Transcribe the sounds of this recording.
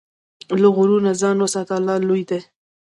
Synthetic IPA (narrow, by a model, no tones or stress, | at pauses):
laɣʊɾunazɑnwasat̪alːɑːlujd̪e